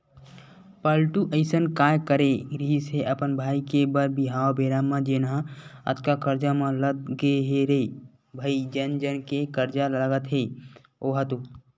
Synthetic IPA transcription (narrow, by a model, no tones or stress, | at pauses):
pəlʈuʔəɪsənkaːjkəɾeɾiɦiseʔəpənbʱaːikebəɾbiɦaːobeɾamãd͡ʒenãə̰t̪kakəɾd͡ʒamãləɡ̚ɡeɦeɾəi | bʱəid͡ʒənd͡ʒənkekəɾd͡ʒaləɡət̪ɦe | oɦət̪u